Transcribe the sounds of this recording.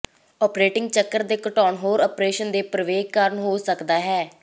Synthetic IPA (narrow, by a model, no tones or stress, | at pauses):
ɔːpɾeːʈɪŋɡ̚t͡ʃəkːəɾd̪eːkəʈɔːnɦoːɾɔːpɾeːʃənd̪eːpɾəʋeːɡkəɾəɳɦoːsəkd̪aːɦɛː